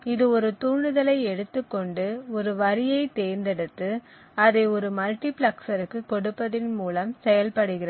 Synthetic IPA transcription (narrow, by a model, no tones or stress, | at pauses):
ɪðɯɔɾɯt̪uːɳɯðɐlɐɪɛɽɯt̪ːɯkːɔɳɖɯɔɾɯʋɐɾɪjɐɪt̪eːɾnd̪ɛɽɯt̪ːɯ | ɐðɐɪɔɾɯmɐlʈiplɐksɐɾɯkːɯkːɔɽɯpːɐðɪnmuːlɐmsɛjɐlpɐɽɯɣɪrɐ